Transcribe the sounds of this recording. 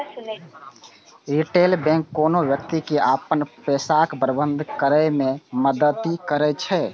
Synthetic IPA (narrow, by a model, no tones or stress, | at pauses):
iʈelbɛ̃ŋkːoːnoʋjəkt̪ikeʔapənpɛsakbɾəbə̃nd̪ʱkəɾɛmẽməd̪ət̪ikəɾɛt͡ʃʰɛ